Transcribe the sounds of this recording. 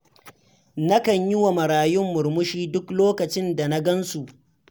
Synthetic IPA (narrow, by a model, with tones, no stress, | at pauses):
nɐ˦kɐ˨ɲjɪ˦wa˨mɐ˨ɽaː˨jʊ˦mːʊ˨ɾmʊ˦ʃiː˦dʊ˦kloː˦kɐ˨t͡ʃɪ˦nda˨na˦ɡɐ˦nsu˨ʔ